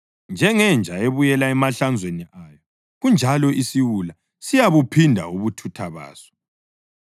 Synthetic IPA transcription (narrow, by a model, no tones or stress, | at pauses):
nd͡ʒʱɛŋɛnd͡ʒʱaeβujɛlaɛmaɬand͡zʱweniaːjɔ | ɣund͡ʒʱalɔʔisiwula | sijaβupʰindʱa̰uβutʰutʰaβa̰ːsɔ̥